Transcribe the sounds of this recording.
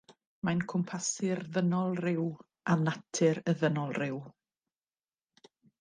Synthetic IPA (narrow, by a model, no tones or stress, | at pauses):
majnkʰʊmpʰasɪrðənɔlˠrɪw | anatʰɨɾəðənɔlˠrɪw